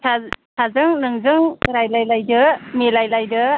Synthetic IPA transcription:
sʰasʰazɯŋnɯŋzɯŋɾajlajlajdɯmelajlajdɯ

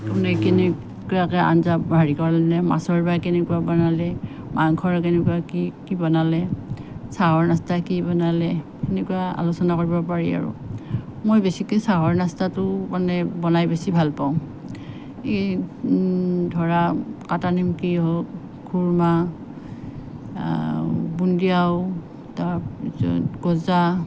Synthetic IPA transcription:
kɔnekenɛ | kuakɛa̰nzabʱaɹikɔɹalɛnɛma̰sɔɹbajkɛnɛkuabɔnalɛ | maŋkʰɔɹk̬enɛkuaikibɔnalɛsaɦɔɹnastakibɔnalɛkenɛkuaa̰lusɔnakoɹibɔpaɹḭa̰ɹṵmojbesikesaɦɔɹnastatʊmanɛbɔnajbesibʱalpaʊ̃ | e | dʱɔɹakatanimkiɦok | kʰuɹma | bundiaʊ | taɔ̰ɡ̥ɔza

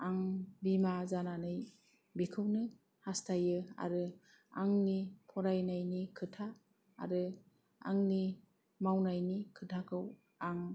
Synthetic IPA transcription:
aŋbimazananɯj | bikʰɯwnɯ | hastʰajɯa̰ɾɯ | aŋnipʰɔɾajnajnikʰɯtʰa̰ː | ɾɯ | a̰ŋni | mawnajnikʰɯtʰakʰɯw | aŋ

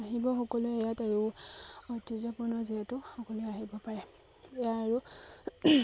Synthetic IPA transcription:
aɦibɔxɔkɔlʊɛjataɹuɔtizapɔnɔziatʊxɔkɔlʊɛaɦibɔpaɹɛ | ejaːɹu

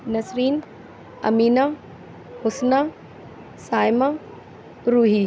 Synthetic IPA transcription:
nɐsɾiːn | ɐ̰miːna | hʊsna | saːjma | ɾuːɦi

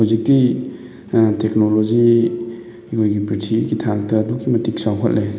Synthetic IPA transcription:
hɔzik̚ti | teknolozi | kʰojɡipɾitʰiɡitʰaŋtɐːdukimɐtiksawɦɐt̚lʔe

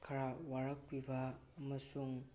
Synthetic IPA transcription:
kʰɐɾawaɾɐk̚pibɐː | mɐsuŋ

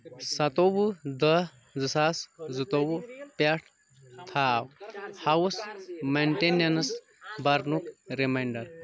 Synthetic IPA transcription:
sɐt̪obud̪ɐ | zɨsaszɨt̪owupaʈʰ | t̪ʰaːwhɐwusmenʈenjɐnɨs | bɐɾnukɾimajɳɖɐɾ

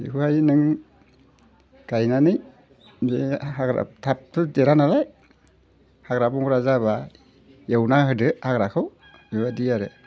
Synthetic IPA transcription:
ḭhuhajnɯŋ | ɡ̥ajnanɯj | behaɡɾa̰tʰap̚tʰudeɾanalaj | haɡɾabɔŋɾazaβa | jewnaɦɯdɯaɡɾakʰɯw | iwadijaɾe

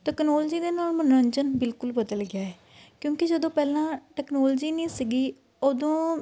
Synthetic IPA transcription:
ʈɛːknɔːld͡ʒiːd̪eːnaːlmənəɲd͡ʒənbɪlkʊlbəd̪əlɡɪjaːɛː | kjõːkɪd͡ʒəd̪õːpɛːlãːʈɛːknɔːld͡ʒiːniːsɪɡiː | oːd̪õː

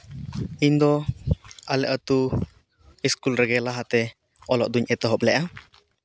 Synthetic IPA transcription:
iɲd̪ɔ | alɛʔɔt̪u | iskulɾɛɡɛlaɦat̪ɛ | ɔlɔ̰ʔd̪uɲʔɛt̪ɔɦɔplɛʔa

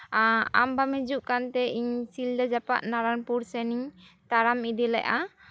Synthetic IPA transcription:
aa̰mbamɛd͡ʒuʔkant̪ɛʔiɲsild̪ad͡ʒapa̰ʔnaɾanpuɾsɛniɲ | t̪aɾamid̪ɛlɛ̰ʔa

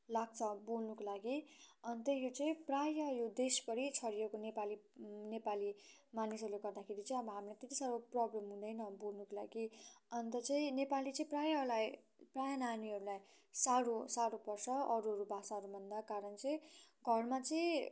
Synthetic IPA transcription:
laɡ̚t͡sʰʌbolnukolaɡiʌnt̪ʌjot͡sʌĩprajʌjod̪espʌɾit͡sʰʌɾijekonepalinepalimanisʌrleɡʌrd̪akʰeɾit͡sʌĩʌbʌɦamilet̪et̪isaɾoprʌblemɦũd̪ʌjnʌbolnukola̰ɡiʌnt̪ʌt͡sʌĩnepalit͡sʌĩprajʌlaj | prajʌnaniɦʌɾulaj | saɾosaɽobʌrsʌʌɾuɦʌɾubʱasaɦʌɾubʱʌnd̪akaɾʌnt͡sʌĩɡʱʌrmat͡sʌĩ

